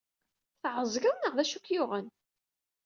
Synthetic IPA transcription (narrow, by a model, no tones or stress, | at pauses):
θʕəzˤɡæwnəʁðæʃukjʊʁən